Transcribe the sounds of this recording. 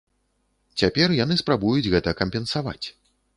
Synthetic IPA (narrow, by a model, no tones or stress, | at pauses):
t͡sʲapʲɛrjanɨspɾabujud͡zʲɣɛt̪ɐkɐmʲpʲɛnsava̰t͡sʲ